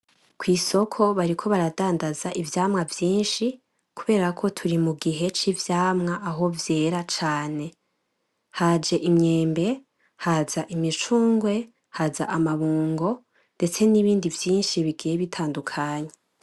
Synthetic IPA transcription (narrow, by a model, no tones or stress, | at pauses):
kwiːso̞kʰo̞βaɾikʰo̞βaɾadaːndazaʔivjaːmŋavjiːnʃi | kuβe̞ːɾakʰo̞tʰuɾimuɡiɦe̞t͡ʃivjaːmŋaʔaɦo̞vje̞ːɾat͡ʃaːne̞ | had͡ʒe̞ʔimɲe̞ːmbe̞ | haːzaʔimit͡ʃuːŋɡwe̞ | haza̰ʔamaβuːŋɡo̞ | nde̞t͡se̞niβiːndivjiːnʃiβiɡijeβitʰaːndukʰaːɲe